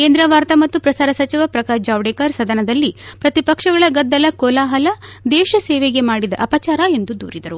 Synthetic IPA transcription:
keːnd̪ɾɐʋaːɾt̪ɐmɐt̪ːupɾɐsaːɾɐsɐt͡ʃiʋɐpɾɐkaːd͡ʒaːʋɽekɐɾsɐd̪ɐnɐd̪ɐlːipɾɐt̪ipɐkʂɐɡɐɭɐɡɐd̪ːɐlɐkoːlaːɦɐlɐd̪ɛːʃɐsɛːʋeɡemaːɽid̪ɐ̰ʔɐpɐt͡ʃaːɾɐe̞nd̪ud̪ṵːɾid̪ɐɾu

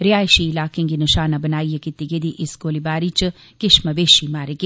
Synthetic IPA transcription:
ɾijaːjʃiːlaːkẽŋɡinɐʃaːnabɐnaːijɐkit̪ːiɡed̪iʔiskoːlibaːɾit͡ʃ | kɪʃmɐʋeːʃimaːɾeke

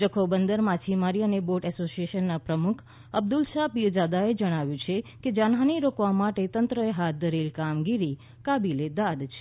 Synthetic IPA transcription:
d͡ʒəkʰobənd̪əɾmat͡ʃʰimaɾiəneboʈɛsosieʃənːapɾəmukʰ | əb̚d̪ulʃapid͡ʒad̪aed͡ʒəɽ̃aʋjũt͡ʃʰeked͡ʒanɦaniɾokʋamaʈet̪ənt̪ɾəeɦat̪̚d̪əɾelkamɡiɾi | kabiled̪ad̪t͡ʃʰe

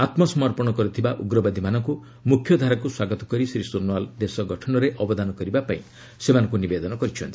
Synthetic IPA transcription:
at̪mɔsɔmɔɾpɔɽ̃ɔkɔɾit̪ʰibaʔuɡɾɔbad̪ʱimanɔŋku | mukʰjɔd̪ʱaɾakuswaɡɔt̪ɔ̥kɔɾisɾisuɾnwald̪esɔɡɔʈʰɔnɔɾeʔɔbɔd̪anɔkɔɾibapaĩ | semanɔ̃ŋk̬unibed̪ɔnɔkɔɾit͡ʃʰɔnt̪ʰi̥

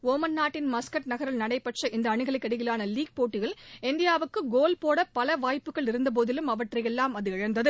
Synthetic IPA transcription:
oːmɐnːaːʈːɪnmɐskɐʈ̚nɐɣɐɾɪlnɐɽɐɪpːɐʈrɐʔɪnd̪ɐːɳɯɣɐɭɐkːɐɽɪɣɪlaːnɐliːɡ̚poːʈːɪɣɐɭɪnd̪ɪjaːʋɯkːɯɡoːlpoːɽɐpɐlɐʋaːjpːɯɣɐɭɪɾɯnd̪ɐp̬oːðɪlɯmɐʋɐʈrɐjɛlːaːmɐðɯɐɻɐnd̪ɐðɯ

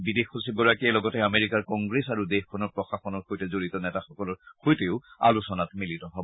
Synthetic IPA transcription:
bidexusiɡɔɹakiɛlɔɡɔtɛameɹikaɹkɔ̃ŋɡɹesaɹudexkʰɔnɔɹpɹɔxaxɔnɔɹxojtɛzoɹitɔnɛtaxɔkɔlɔɹxojteʊa̰lusɔnatmilitɔɦɔbɔ

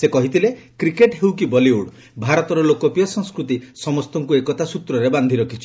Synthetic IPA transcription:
sekɔɦit̪ʰile | kɾikeʈɦewkibɔliuɽ | bʱaɾɔt̪ɔɾɔlokɔpijɔsɔŋskɾut̪isɔmɔst̪ɔŋkuekɔt̪asut̪ɾɔɾeband̪ʱiɾɔkʰit͡ʃʰi̥

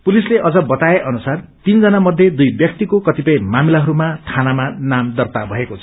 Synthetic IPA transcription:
pulisleʔʌd͡zʌbʌt̪aeʔʌnusart̪ind͡zʌnamʌd̪ʱjed̪ujbjʌk̚t̪ikokʌt̪ipʌjmamilaɦʌɾumaʈʰanamanamd̪ʌrt̪abʱʌekot͡sʰʌ

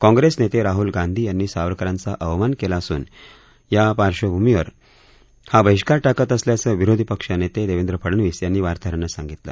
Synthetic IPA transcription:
kɔ̃ŋɡɾesnet̪eɾaɦuːlɡãnd̪ʱiːjanːiːsaʋɾkəɾãnt͡saʔəʋmankelaːsṵːn | japaɾʂəbʱumiʋəɾ | habəɦiʂkaɾʈakət̪əsljasəʋiɾod̪ʱipəkʂənet̪ed̪eʋend̪ɾəpʰəɽənʋiːsjanːiːʋaɾt̪ʰaɾanːasãŋɡit̪la̰

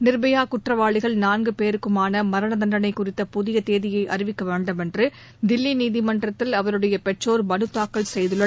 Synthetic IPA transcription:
nɪɾbɐjaːkʊʈrɐʋaːɭɪɣɐɭnaːnɡɯpeːɾɯkːɯmaːnɐmɐɾɐnɐðɐnɖɐnɐɪkːʊrɪt̪ːɐpʊðɪjɐt̪eːðɪjɐɪʔɐrɪʋɪkːɐʋeːɳɖɯmɛndrɯ | d̪ɪlːiniːðɪmɐndrɐt̪ːɪlɐʋɐɾɯɽɐjɐpɛʈroːɾmɐnɯt̪ːaːkːɐɭsɛjðɯɭːɐ

